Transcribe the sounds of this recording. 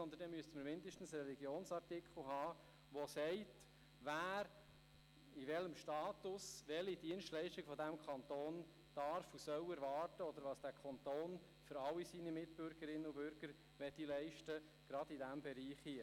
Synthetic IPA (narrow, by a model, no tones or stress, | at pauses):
sɔnd̪əndɛmyəstəməɾmɪndəʃtn̩srɛliɡjoːnsɑɾtɪkʰl̩ɦɑː | ʋɔsɛɪt | ʋæːɾ | iʋɛləmʃtɑːt̪ʊsʋɛlid̥iənstlɛɪʃtiɡəfɔdæmkʰɑnt̪oːn | d̥ɑɾfusœwɛɾvɑːrtəɔd̪əɾʋɑːsd̥æːkʰɑnt̪oːn | fʏɾɑlːisinimɪt̚b̥ʏɾɡəɾɪnːəubʏɾɡ̥əɾ | ʋɛtilɛɪʃtə | ɡ̥ɾɑdidæmbɛɾiːχhi